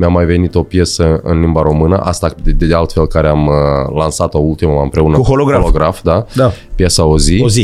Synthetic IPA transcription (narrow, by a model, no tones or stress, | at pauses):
meamːajve̞nit̪o̞pje̞səɨ̰nlimbaɾo̞mɨnəʔast̪ad̪ed̪ealt̪fe̞lkaɾeamlansat̪oult̪iməmaɨmpɾe̞unəuholoɡɾaloɡɾafd̪ad̪apjesaozizi